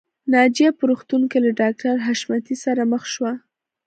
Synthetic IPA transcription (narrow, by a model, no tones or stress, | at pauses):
nɑd͡ʒijapəɾuxt̪uŋkelaɖɑk̚ʈaɾɦaʃmat̪isaɾaməxʃwa